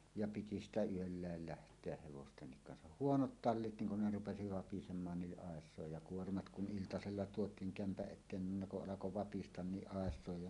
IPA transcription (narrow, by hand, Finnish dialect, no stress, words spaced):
jɑ piti stæ yølːæel læhtˑeæh̆ heʋostenːik kɑnsɑh huonot tɑlːit niŋ kun ne rupesi ʋɑpisemˑɑːn ni ʔɑˑesˑoˑej jɑ kuormɑt kun ʔiltɑselːɑ tuotˑiːŋ kæmpæʔ ʔetˑeːn nin ne kuʔ ʔɑlɑko ʋɑpistɑn niʔ ʔɑˑesˑoˑej jɑ